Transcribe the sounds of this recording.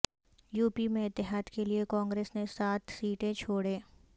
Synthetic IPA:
juːpimẽɪt̪ːɪɦaːd̪keliekɔ̃ːŋɡɾeːsnesaːt̪ʰsiːʈẽt͡ʃʰoːɽeː

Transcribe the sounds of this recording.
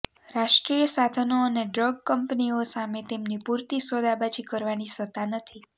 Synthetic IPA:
ɾaʃʈɾijəsad̪ʱənoəneɖɾəɡkəmpniosamet̪emnipuɾt̪isod̪abat͡ʃikəɾʋanisət̪anət̪ʰi

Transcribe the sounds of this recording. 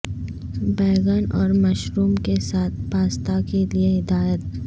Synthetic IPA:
bɛːɡənɔːɾmɐʃɾuːmkesaːt̪̚ʰpaːst̪akelieɦɪd̪aːjət̪̚

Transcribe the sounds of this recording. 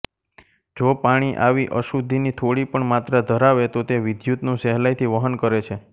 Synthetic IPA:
d͡ʒopaɽ̃iʔaʋiʔəʃud̪ʱːinit̪ʰoɽipəɳmat̪ɾəd̪ʱəɾaʋet̪ot̪eʋɪd̪jut̪nũsɛɦlajt̪ʰiʋəɦənkəɾet͡ʃʰe

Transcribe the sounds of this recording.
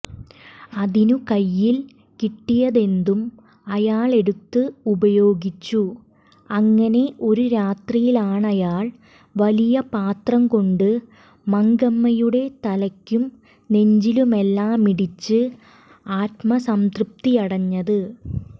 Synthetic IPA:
ɐðinukɐjːil | kiʈːijɐðe̞nd̪um | ɐjaːɭe̞ɽut̪ːɨubɐjo̞ːɡit͡ɕːu | ɐŋːɐne̞ʔo̞ɾuɾaːt̪rijilaːɳɐjaːɭ | ʋɐlijɐpaːt̪rɐmko̞ɳɖɨ | mɐŋɡɐmːɐjuɽe̞t̪ɐlɐkʲːum | ne̞ɲd͡ʑilume̞lːaːmiɽit͡ɕːɨ | aːt̪mɐsɐmt̪rup̚t̪iɐɽɐɲːɐðɨ

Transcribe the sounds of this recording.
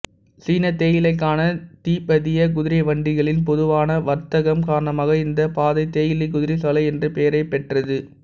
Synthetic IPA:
siːnɐt̪eːjɪlɐɪk̬ːaːnɐt̪iːpːɐðɪjɐk̬ʊðɪɾɐɪʋɐɳɖɪɣɐɭɪnpɔðɯʋaːnɐʋɐɾt̪ɐɣɐmkaːɾɳɐmaːɣɐɪnd̪ɐpaːðɐɪt̪ːeːjɪlɪk̬ʊðɪɾɪsɔlɐɪɛndrɯpeːɐɾɐɪpɛʈrɐðɯ

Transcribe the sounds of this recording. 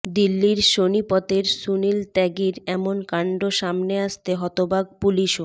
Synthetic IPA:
d̪ilːiɾʃonipɔt̪eɾsunilt̪ɛɡiɾɛmonkaɳɖoʃamneaʃt̪eɦɔt̪obaɡ̚puliʃo

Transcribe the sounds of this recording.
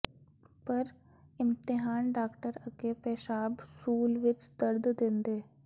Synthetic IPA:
pɐɾ | ɪ̃mt̪ɪɦaːnɖaːkʈəɾɐɡepeːʃaːbsuːlʋɪt͡ʃd̪ɐɾd̪d̪ẽːnd̪eː

